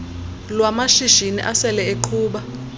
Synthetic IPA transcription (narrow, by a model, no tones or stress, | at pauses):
lwamaʃiʃinḭʔasɛlɛeǃʰuːɓa